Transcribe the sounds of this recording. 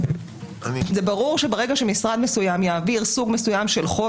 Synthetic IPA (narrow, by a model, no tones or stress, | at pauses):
zebaʁuʁʃe̞baʁe̞ɡaʃemisʁad̪me̞sujamjaːviʁsuɡme̞sujamʃe̞lχo